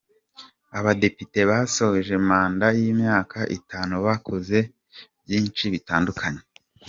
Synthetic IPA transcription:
aβade̞pite̞βaso̞hoʒe̞maːndajiːmɲaːkaʔḭtaːnuβakʰoze̞ | bjiːnt͡ʃiβitaːndukʰaɲe̞

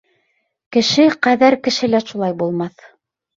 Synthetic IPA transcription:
kɘ̆ʃɘqæðæɾkɘ̆ʃɘ̆læʃulˠɑjbulˠmɑθ

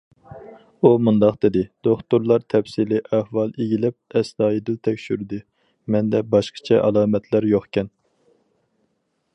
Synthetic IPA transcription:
umund̪ɑqd̪ɪd̪ɪd̪̥oχt̪uɾlˠɑɾt̪ʰɛpsilɪʔæhwɑlˠeɡʲilɛp̚ɛsd̪ɑːjid̪ɪlt̪ʰɛkʲʃyɾd̪ɪ | mɛnd̪ɛbɑʃqʰə̥t͡ʃʰɛʔɑlˠɑːmɛt̪ʰlæɾjoχkʲɛn

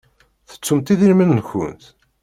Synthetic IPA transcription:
θə̥t͡sːumt̪iðilmənːçʊ̰nt̪

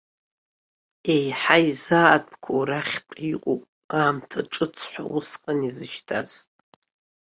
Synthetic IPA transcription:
e̞jħajzaat̚ʼpkʰowraχʲqʼikʷʼopʼ | aːmtʰaʈ͡ʂʼɨt͡sʰħʷa̰wʊsqʼanizɨʃtʰa̰z̥ʼ

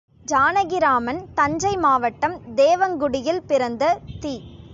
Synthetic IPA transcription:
d͡ʒaːnɐɣɪɾaːmɐnt̪ɐɲd͡ʒɐɪmaːʋɐʈːɐmd̪eːʋɐŋɡʊɽɪjɪlpɪɾɐnd̪ɐt̪iː

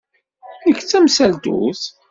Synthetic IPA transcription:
əçt͡sːæmsæld̪ṵθ

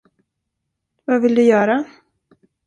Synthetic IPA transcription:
vavɪld̪ɵjœːɾa

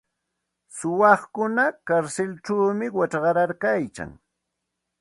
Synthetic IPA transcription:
sʊwɑχkʊnakaɾsɪlt͡ʃawmɪwaʈ͡ʂɢɑɾaɾkajka̰ŋ

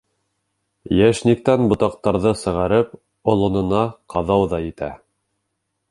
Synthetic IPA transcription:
jæʃnik̚t̪ænbŏt̪ɑq̚t̪ɑɾðɤsɤ̆ʁɑɾɘp | ŏlˠŏnɤ̆nɑqɑðɑwðɑjɘ̆t̪æ

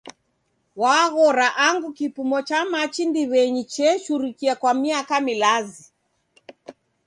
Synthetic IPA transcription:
waːɣɔɾaʔaŋɡukipumɔt͡ʃamat͡ʃindiβɛɲit͡ʃɛʃuɾikiakwamiakamilazi

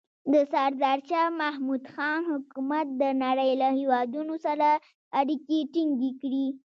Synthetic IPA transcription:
d̪əsaɾd̪ɑɾt͡ʃamahmud̪xɑnhʊkumat̪̚d̪ənaɾəjlahewɑd̪unosaɾa | aɾikeʈiŋɡekɽi

